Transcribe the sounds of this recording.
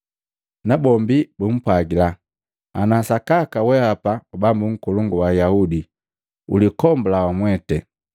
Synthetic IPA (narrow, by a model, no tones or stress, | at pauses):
nabɔmbibum̩pwaɡila | anasakakawɛhapaubambuŋ̩kuluŋɡuwajaudi | ṵlikɔmbulawamwɛtɛ